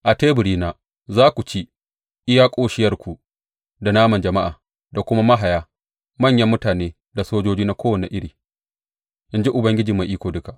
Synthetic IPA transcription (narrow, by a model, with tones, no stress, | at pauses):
ʔa˨teː˦bʊ˨ɽiː˦naː˦ | zaː˦kʷu˨t͡ʃi˦ | ʔɪ˦ja˦kʷʼoː˦ʃɪ˦jɐ˦rkʷu˨ʔ | da˨naː˦mɐ˨nd͡ʒɐ˨ma˦ʔa̰ː˨ | da˨kʷʊ˦ma˦ma˦ɦa˨jaː˦ | mɐ˦˨ɲjɐ˦mːʊ˦taː˨neː˦ | da˨soː˦d͡ʒoː˦d͡ʒiː˦na˦kʷoː˦wɐ˨nḛ˨ʔɪ˦ɽiː˨ | ʔɪ˦nd͡ʒi˦ʔʊ˨bɐ˦ŋɡʲɪ˦d͡ʒiː˨ma˨ʔiː˦kʷoː˨dʊ˦ka˨ʔ